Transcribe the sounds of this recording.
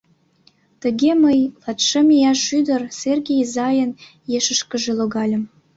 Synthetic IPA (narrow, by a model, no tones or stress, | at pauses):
t̪əɣeməjlɑt̪ʃəmejɑʃyd̪ərserɣejzɑjən | jeʃəʃkəʒeloɣɑlʲə̆m